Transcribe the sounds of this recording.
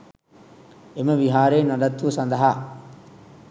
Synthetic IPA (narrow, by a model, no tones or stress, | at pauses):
eməʋiɦaːɾeːnad̪ɐt̪ːusɐnd̪ɐɦaː